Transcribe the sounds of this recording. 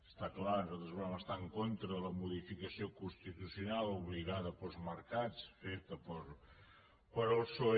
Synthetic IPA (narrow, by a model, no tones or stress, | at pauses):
əst̪aklanuzat̪ɾəzβuɾɛməst̪aəŋkont̪ɾələmuðifikəsiokunst̪it̪usiunalˠuβliɣaðəpəlˠzməɾkat͡sfet̪əpəɾ | pəɾolˠso